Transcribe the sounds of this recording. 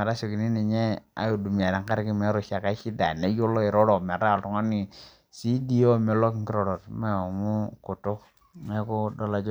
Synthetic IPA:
e˨ɾa˦so˨ki˨ni˦ni˨ɲe˦a̰˨˦˨du˨m˨a˨da˨ŋka˦ɾki˦me˦ɾo˨ʃa˨ka˨˦t͡ʃi˦da˨ne˨˦jo˦lo˦i˨ɾo˦ɾo˨me˨ɾa˦˨ltɔ˨ŋa˦ni˨ | si˦di˦o˦me˨lo˦ki˨ŋki˦ɾo˨ɾo˨tme˦o˨mu˦ku˨to˦ | me˦ko˦do˦la˨d͡ʒ

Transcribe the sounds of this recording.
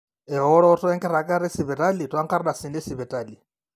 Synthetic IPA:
ɛ˨ɦɔ˦ɺɔ˦ɔ˦tʰɔ˦ɛ˦ŋkʼɛ˦ɾa˨kʼa˦ɾɪ˦si˨βɛ˨tʼa˦li˨twa˦kʰʼa˦ɾɗa˨si˨nɛ˦si˨βɛ˨tʼaːli˨

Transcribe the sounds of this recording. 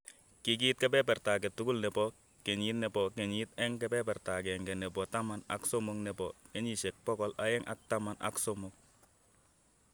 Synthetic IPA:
ki˨k̬i˦t̚kɛ˦pɛ˦pɛɾta˨k̬ɛ˨tu˦ku˦lnɛ˨bɔ˦ | kɛ˨ɲi˦tnɛ˨bɔ˨kɛ˨ɲi˦t̪ɛ˦ŋkɛ˦pɛ˦pɛ˨ɾta˨kɛ˨ŋɡɛ˨nɛ˨bɔ˨ta˦ma˨na̰˨ksɔ˦mo˨knɛ˨bɔ˨kɛ˦ɲi˨ʃɛ˨k̚pɔ˦kɔ˦la˦ɛ˦ŋʔa̰˨k̚ta˦ma˨na̰˦ksɔ˦mɔk̚

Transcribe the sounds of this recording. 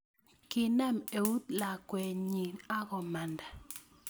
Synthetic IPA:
kɪ˦na˦˨me˨wu˦t̪la˨kwɛ˨ɲi˨na˦ɣɔ˨ma˨nda˨

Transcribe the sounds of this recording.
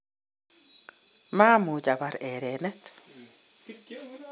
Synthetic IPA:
ma˦mu˨d͡ʒa˨baɾɛ˨ɾe˨nɛ˦t̪

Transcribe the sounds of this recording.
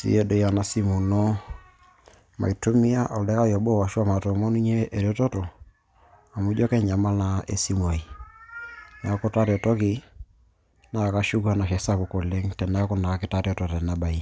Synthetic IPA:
sḭ˦e˦do˨ja˨na˨˦si˦mu˨nɔ˦ | ma̰˨i˨to˦mi˦a˦ʔɔ˨lɛ˦ka˦jɔ˨bo˦˨wa˨ʃu˦a˦ma˨tɔ˨mɔ˦nu˦ɲe˦ʔe˨ɾo˦to˦to˨ | a˨mu˦d͡ʒɔ˦kɛ˦ɲa˨ma˦na˦ḛ˨si˦mwɔ˨i˨ | na˨˦ko˦ta˦ɾɔ˨tɔ˦ki˨ | na˦˨ka˦ʃu˦ka˦na˨ʃɛ˨sa˦βo˨ko˨le˦ŋtɛ˨na˦ko˦na˨ka˦kɪ˦ta˦ɾɔ˨tɔ˨tɛ˨na˦ba˨i˦

